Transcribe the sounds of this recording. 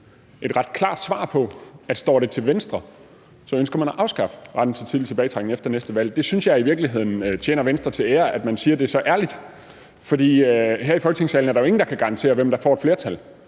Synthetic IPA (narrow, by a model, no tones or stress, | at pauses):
ʔe̝d̥ʁɑ̈d̥kʰlɑ̰̈ːd̥sʋɑ̰̈ːpʰɒ̽æd̥sd̥ɒ̰ːɾ̥e̝t͡sʰe̝lʋensd̥ʁɐ | sɒ̽ønsɡ̥ɐmænæʔɑ̈ʊsɡ̥ɑ̈fə̥ʁɑ̈d̥n̩t͡sʰe̝t͡sʰiðˠlit͡sʰe̝bɛːɪ̥ʁɑɡ̥n̩efd̥ɐnesd̥əʋæl̰d̥e̝synsjɑ̈ɪiʋiɐɡ̥liɦe̝ð̞̰ˠn̩t͡ɕʰjeːnɐʋensd̥ʁɐt͡sʰe̝eːɐʔæd̥mænsiːɐd̥e̝ɐsɒ̽ʔæɐlid̥ | fɒ̽d̥ḭːɦæɐ̰ifɒlɡ̥ə̥t͡sʰe̝ŋsɛ̰ːln̩æɐɾ̥ɑjo̝e̝ŋn̩d̥ɑ̈kʰæɡ̥ɑ̈ʁɑ̈nt͡sʰe̝̰ːɐʋemd̥ɑ̈fɒ̰ːed̥fle̝ɐt͡sʰæl